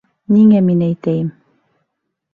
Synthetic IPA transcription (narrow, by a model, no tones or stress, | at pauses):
niŋæminæjt̪æjɘm